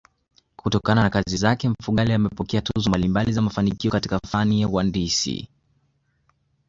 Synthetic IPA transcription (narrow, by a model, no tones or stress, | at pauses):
kutɔkananakazizakɛɱ̩fuɠaliamɛpɔkɛatuzɔmbalimbalizamafanikiɔkatikafaniawandisḭ